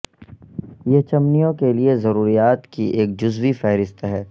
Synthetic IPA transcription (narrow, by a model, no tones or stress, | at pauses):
jeɦt͡ʃɐmnijõkeliezɐɾuːɾijaːt̪kiʔeːk̚d͡ʒʊzwifɛɦɾɪst̪ɦɛː